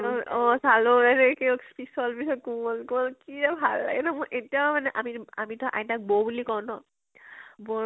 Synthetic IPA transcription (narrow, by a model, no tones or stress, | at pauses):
ɔ̃salonanɛkispisɔlpisɔt̚kumɔlkuɔlkiɛbʱalːa̰ɡɛnamɔjʔetijamanɛʔamia̰mitɔʔa̰jtak̚bobulikɔwnɔ | bɔ